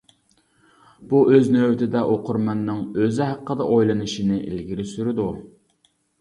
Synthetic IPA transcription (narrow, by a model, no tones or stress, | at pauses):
b̥uʔøznøwt̪ʰɪd̪ɛʔoqʰʊɾmɑnːɨŋøzɪɦæqʰːəd̪ɑʔojlˠɨnɨʃinɪʔḭlɡʲiɾɪsyɾɪd̪u